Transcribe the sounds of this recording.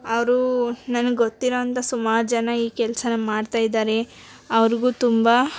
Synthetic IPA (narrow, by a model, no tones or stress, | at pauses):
ɐʋɐɾunɐnɐɡeɡot̪ːiɾoːɐnt̪ɐsumaːɾd͡ʒɐnɐiːkɛlɐsɐnɐmaːɖt̪aːjid̪aːɾe̞ | ɐʋɐɾiɡuːt̪umba